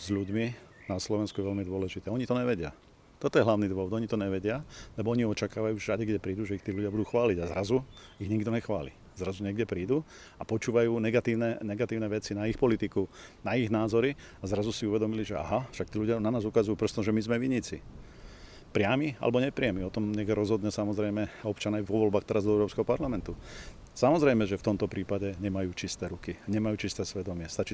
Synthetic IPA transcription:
z̥ʎuɟmi | naslɔʋɛnskujɛʋɛʎmid̪ʋɔlɛʒit̪ɛːɔɲit̪ɔɲɛʋɛɟɪa | t̪ɔt̪ɔjɛɦlaʊniːd̪ʋɔʋɔd̪ɔɲit̪ɔɲɛʋɛɟɪalɛbɔɔɲiɔt͡ʃakaːʋajuːʒɛʒadiɡɟɛpɾiːd̪uʒɛixt̪iːluɟɪabud̪uːxʋaːliɟazɾazuiɣɲiɡd̪ɔɲɛxʋaːlḭ | zɾazuɲɛɡɟɛpɾiːd̪u | apɔt͡ʃuːʋajuːnɛɡat̪iːʋnɛɲɛɡat̪iːʊnɛʋɛt͡sinaixpɔlit̪ikunaiɣnaːzɔɾi | azɾazusiuʋɛd̪ɔmiliʒɛa̰ɦaʃak̚t̪iːluɟɪananaːzukazujuːpr̩ɔst̪ɔʒɛmizmɛʋiɲit͡sḭ | pɾɪamia̰lɛbɔɲɛpɾɪamiɔt̪ɔmɲɛɡɛɾɔzɦɔd̪ɲɛsamɔzɾɛjmɛɔpt͡ʃanaːʋɔʋɔlbaːxt̪ɛɾazd̪ɔɛʊɾɔːpskɛɦɔpaɾlamɛnt̪u | samɔzɾɛjmɛʒɛft̪ɔmt̪ɔpɾiːpaɟɛɲɛmajuːt͡ʃist̪ɛːɾukiɲɛmajuːt͡ʃist̪ɛːsʋɛd̪ɔmɪɛst̪at͡ʃi

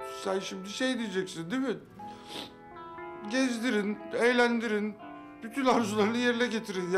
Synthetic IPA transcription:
sænʃimd̪iʃejd̪ijd͡ʒɛcsind̪emɪ | ɟɛzd̪iɾinɛjlʲænd̪iɾin | byt̪ʰynaɾzulˠaɾɯnɯjeɾinɛɟe̞t̪ʰiɾinj

